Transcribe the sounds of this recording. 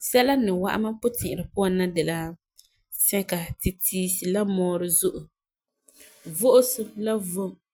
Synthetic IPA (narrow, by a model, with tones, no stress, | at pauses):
sɛ˦la˦nɪ˨wa̰˦ʔa̰˦ma˦pʊ˦tɪ̃˨ʔɪ˨ɾɨ˨pʊ˦a˨nːa˦dɛ˨la˦ | sɛ˦ka˨tɪ˨tiː˦sɪ˨la˦mɔː˨˦ɾɨ˦zʊ˦ʔʊ˨ | vʊ˦ʔʊ˦sʊ˦la˦vo˦m